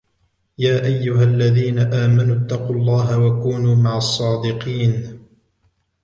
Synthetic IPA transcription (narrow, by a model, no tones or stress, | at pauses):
jaːʔajːʊɦalːaðiːnaʔaːmanʊt̪ːɑqulˤːɑːɦawakuːnuːmaʕɑsˤːɑːd̪ɪqiːn